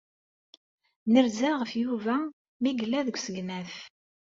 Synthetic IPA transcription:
nəɾzæʁəfjuvæ | miɡlːæðəɡʷsəɡnæf

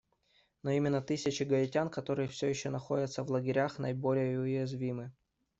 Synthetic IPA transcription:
noimʲɪnːət̪ɨsʲɪt͡ɕɪɡɐɪtʲankɐt̪o̞ɾɨjəfsʲojɪɕːonɐxo̞dʲət̪səvlˠəɡʲɪɾʲaxnɐ̰jɪbo̞lʲɪjəʊjɪzvʲimɨ

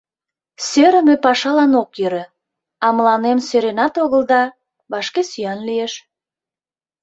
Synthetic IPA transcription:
søɾə̆møpɑʃɑlɑnokjøɾĕ | ɑməlɑnemsøɾenɑt̪oɣəld̪ɑ | βɑʃkesyjɑnlieʃ

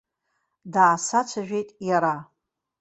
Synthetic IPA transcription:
daːsat͡ʃʷʰaʒᶣe̞jtʼjaɾa

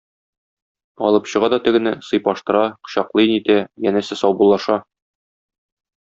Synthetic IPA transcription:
ɒ̰lˠɤpɕɤ̆ʁɑd̪ɒt̪ɘ̆ɡɘ̆nɘsɤ̆jpɒʃt̪ɤ̆ɾɑqɤ̥̆ɕɑqlˠɤnit̪æjænæsɘsɒwbulˠɑʃɑ

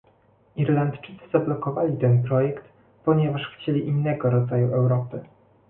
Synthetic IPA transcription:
iɾlant̪t͡ʂɘt̪sɘzablɔkɔvalʲit̪ɛnpɾɔjɛkt̪ | pɔɲɛvaʂxt͡ɕelʲiʔinːɛɡɔɾɔd̪zajuʔɛwɾɔpɘ

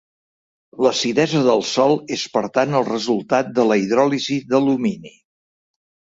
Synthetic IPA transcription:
ləsiðɛzəðəlˠsɔlˠespəɾt̪anəlˠrəzulˠt̪at̪̚d̪ələiðɾɔliziðəluminḭ

